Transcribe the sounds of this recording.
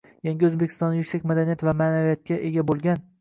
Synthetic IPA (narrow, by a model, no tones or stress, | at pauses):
jaŋɡʲɪɵzbekʰʲɪ̥st̪ɒnd̪ajʊkʲsakʲmad̪anijat̪vamaːnavijat̪̚kʲaʔe̞ɡʲabolˠɡʲan